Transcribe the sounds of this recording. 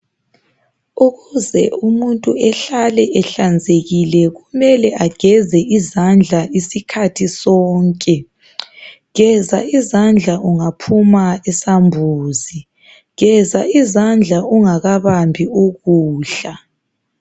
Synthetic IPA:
uɣuzɛ̰umuntʼuɛɬalɛʔɛɬand͡zʱeɣilɛɣumɛlɛʔaɡ̥ʱɛzɛʔizand͡ɮʱaisikʰatʰisɔːŋkʼɛ | ɣɛzaizand͡ɮʱaʔuŋapʰumaɛsambʱuːzi | ɣɛzaizand͡ɮʱauŋaɣaβambʱiuɣuːɬa

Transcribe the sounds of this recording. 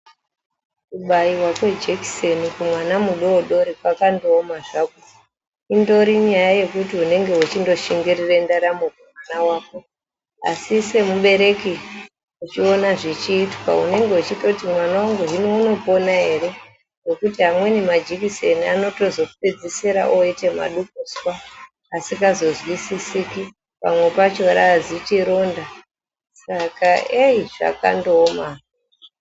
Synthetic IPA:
kuɓaiwakwe̞d͡ʒeki̥senikumwanamuɗo̞ɗo̞ɾikwakando̞ːmaʐako | indo̞ɾiɲajaje̞kutiune̞ŋɡeut͡ʃindo̞ʃiŋɡirirendaɾamokumwanawaːko̞ | a̰sise̞muɓe̞ɾe̞ki | ut͡ʃio̞naʐit͡ʃiːtwa̰ṵne̞ŋɡe̞ut͡ʃitotimwanawaŋɡuɦiniuno̞po̞naɦe̞ɾe̞ | no̞kutiɦamwe̞nimad͡ʒikise̞niano̞to̞zo̞ku̥ped͡ziseɾa̰ʔoite̞ma̰ɗuk̚uswaː | sikazo̞zwisisiki | pamwe̞pat͡ʃo̞ɾaːd͡zitiɾo̞nda | sakaeiʐa̰ka̰ndoːma

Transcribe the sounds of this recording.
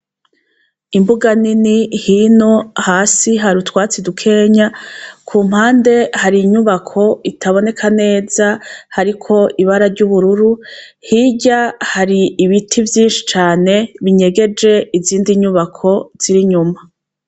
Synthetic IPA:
imbuɡaninihino̞haːsiɦaɾutwaːt͡sidukʰe̞ːɲakʰuːm̥haːnde̞haɾiɲuβakʰo̞itʰaβo̞ne̞kʰane̞ːzahaɾikʰo̞iβaɾaɾɟuβuɾuɾu | hiɟahaɾiːβitʰivjiːnʃi̥t͡ʃaːne̞βiɲe̞ɡe̞d͡ʒe̞iziːndiɲuβakʰo̞z̥iɾiɲuma

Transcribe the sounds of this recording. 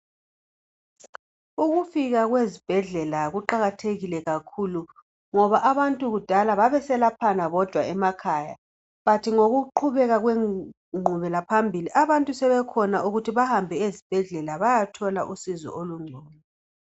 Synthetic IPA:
uɣufiɣaɣwezib̥ʱɛɮɛlaɣuǃaɣatʰeɣilɛɣakʰulu | ŋɔβaʔaβantʼuɣud̥ʱalaβaβɛsɛlapʰanaβɔd̥ʱwaɛmakʰaːja̰ | βatʰiŋoɣuǃʰuβɛɣaɣwe | ŋ͡ǃʱuβɛlapʰambʱiliʔaβantʼusɛβɛkʰɔnaʔuɣutʰiβahambʱɛezib̥ʱɛɮɛlaβajatʰɔla̰ʔusizɔ̰ʔoluŋ͡ǀʱɔːmɛ

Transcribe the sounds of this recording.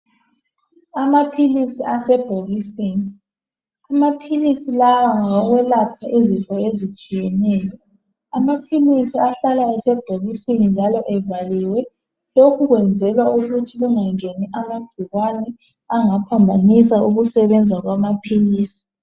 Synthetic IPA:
amapʰilisiʔasɛb̥ʱoɣiseːni | amapʰilisilawaŋawɔɣwɛlapʰaʔezifʰʼɔezit͡ʃʼijɛnɛːjɔ | amapʰilisiaɬalaɛsɛb̥ʱoɣisenind͡ʒʱalɔʔɛvaliːwɛ | lokʰuɣwɛnd͡zʱɛlwauɣutʰiɣuŋaŋeniʔamaɡ͡ǀʱiɣwanɛ | aŋapʰambʱanisauɣusɛβɛnd͡zʱaɣwamapʰiliːsi̥

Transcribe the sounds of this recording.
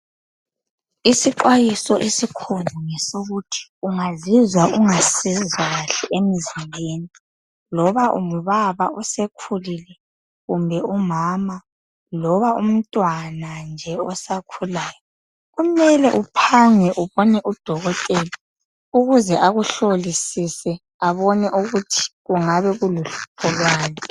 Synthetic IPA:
isiǃwajisɔʔesikʰunuŋɛsoɣutʰi̥uŋazizwaʔuŋasizwaɣaɬɛʔemizimbʱeni | lɔβaʔṵm̩βaβausekʰulilɛ | ɣumbʱɛumaːma | lɔβaum̩tʼwanand͡ʒʱɛɔsakʰulaːjɔ | ɣumɛlɛʔupʰaŋɛʔuβɔnɛʔud̥ʱɔɣɔtʼɛli | uɣuzɛʔaɣuɬolisisɛ | aβɔnɛʔuɣutʰi̥ɣuŋaβɛɣuluɬu̥pʰɔlwaːli

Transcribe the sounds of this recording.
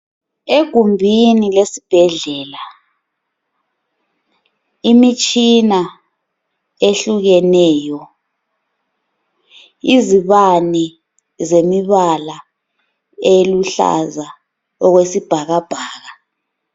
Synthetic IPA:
eɡ̥ʱumbʱinilesi̥b̥ʱɛɮɛːla | imit͡ʃʼina | eɬuɣɛnɛːjɔ | iziβani | zemiβala | eluɬa̰za | ɔɣwesib̥ʱaɣab̥ʱaːɣa

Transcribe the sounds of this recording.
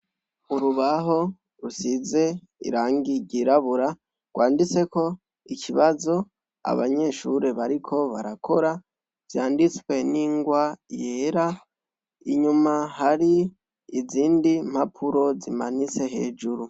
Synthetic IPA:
uɾuβaɦo̞ | ɾusize̞ | ḭɾaːŋɡiɟiɾaβuɾa | ɡ̥waːndit͡se̞ko̞ | ikʰiβazo̞ | a̰βa̰ɲe̞ʃuɾe̞βaɾikʰo̞βa̰ɾakʰo̞ɾa | v̥jaːndit͡swe̞niːŋɡwaje̞ːɾa | iɲumahaɾiː | ziːndim̥hapʰuɾo̞zimanit͡se̞ɦe̞ːd͡ʒuɾu

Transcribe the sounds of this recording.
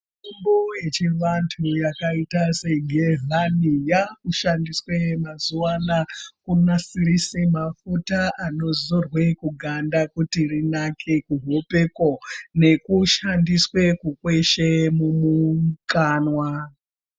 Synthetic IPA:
umboje̞t͡ʃiʋantʰujakaitase̞ɡʱeɦanijakuʃandiswe̞mazuwanakunasirisemafutaʔano̞zorwe̞kuɡʱandakutirinakʰekuɦope̞ko̞ne̞kuʃandiswe̞kukwe̞ʃemumuŋkaːnwa

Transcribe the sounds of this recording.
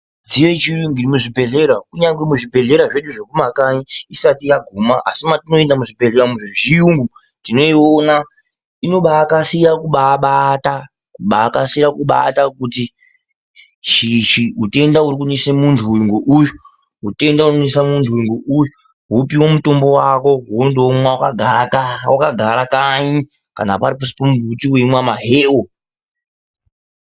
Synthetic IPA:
d͡zijet͡ʃiɗuŋɡirimuʐibʱe̞ɮe̞ɾakuɲaŋɡwemuʐibʱe̞ɮe̞ɾaʐe̞ɗuʐe̞kumakaɲiisatijaɡʱumaʔa̰simatino̞e̞ndamuʐibʱeɮeɾamuʐiʐiuŋɡu | tino̞iona | ino̞ɓaːkasijakuɓaɓata | kuɓaːkasijakuɓa̰takuti | ʃiʃiɦute̞ndauɾik̬unesemuntʰuwiŋɡoʔujo | ɦute̞ndauonesamuntʰuwiŋɡoʔujo | ɦupiwo̞muto̞mbo̞wako̞ɦondowmwaka | wakaɡʱaɾakaɲi | kana̰paɾipusi̥pomuvutiweimwamaɦeːwo

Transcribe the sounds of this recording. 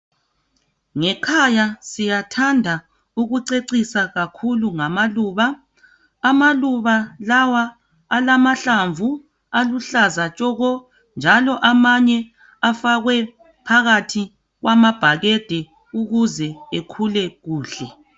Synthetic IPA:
ŋɛkʰajasijatʰandʱa | uɣuǀeǀisaɣakʰuluŋamaluːβaː | maluβalawaː | lamaɬaɱvu | aluɬazat͡ʃʼɔɣɔ | nd͡ʒʱalɔʔamaɲɛ | afaɣwɛ | pʰaɣatʰi | ɣwʔamab̥ʱaɣed̥ʱɛ | uɣuzɛekʰulɛɣuːɬɛ

